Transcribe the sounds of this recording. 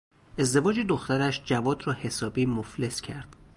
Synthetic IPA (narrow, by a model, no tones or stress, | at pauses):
ʔe̞zd̪e̞vɒːd͡ʒed̪oxt̪æɾæʃd͡ʒævɒːd̪rɒːhe̞sɒːbiːmofle̞scʰæɾd̪̥